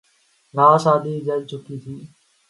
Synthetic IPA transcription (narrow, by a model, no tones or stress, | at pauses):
ɡaːsaːd̪iːd͡ʒəd͡ʒt͡ʃʊkiːt̪ʰiː